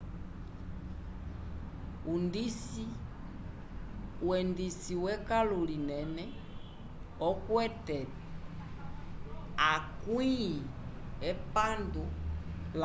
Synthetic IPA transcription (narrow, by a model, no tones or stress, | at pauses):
undisi | wɛndisiwɛkalulinɛnɛ | ɔkwɛtɛ | akwiɛpandul